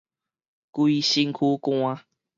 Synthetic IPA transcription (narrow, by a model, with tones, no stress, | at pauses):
kwi˦ɕi˧ŋkʰu˦ka˦˧